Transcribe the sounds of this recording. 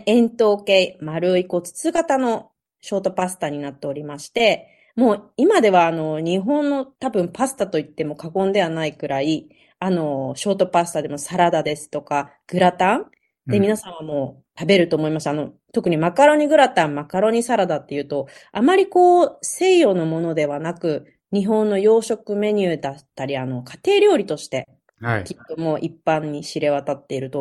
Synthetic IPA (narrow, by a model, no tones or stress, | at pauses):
ẽ̞nt̪o̞ːkeimaɾɯ̟iko̞t͡sɨ̥t͡sɨɡat̪ano̞ | ɕo̞ːt̪o̞pasɨ̥t̪aɲ̟inat̪ːe̞o̞ɾʲimaɕi̥t̪e̞ | mo̞ːimad̪e̞βaːno̞ɲ̟ĩɦõ̞nːo̞t̪abɯ̟̃mpasɨ̥t̪at̪o̞it̪ːe̞mo̞ːkakõ̞nd̪e̞β̞anaiɡɯ̟ɾʔai | ano̞ɕo̞ːt̪o̞pasɨ̥t̪ad̪e̞mo̞saɾad̪ad̪e̞sɨ̥t̪o̞kaɡ̥ɯ̟ɾat̪ãɴ | d̪̥e̞mʲinasãɰ̃βamo̞ː | t̪abe̞ɾɯ̟t̪o̞ːmo̞imasɨano̞ | t̪o̞kɯ̟ɲ̟imakaɾo̞ɲ̟iɡɯ̟ɾat̪ãmmakaɾo̞ɲ̟isaɾad̪at̪ːe̞jɯ̟ːt̪o̞amaɾʲiko̞ːse̞ːjo̞no̞mo̞no̞d̪e̞βanakɯ̟ | ɲ̟iɦõ̞nːo̞jo̞ːɕo̞kɯ̟me̞ɲ̟ɯːd̪at̪ːaɾʲiano̞kḁt̪e̞ːɾʲjo̞ːɾʲit̪o̞ɕi̥t̪e̞ | kʲit̪ːo̞mo̞ːʔipːãɲ̟ːiɕiɾe̞βat̪at̪ːe̞iɾɯ̟t̪o̞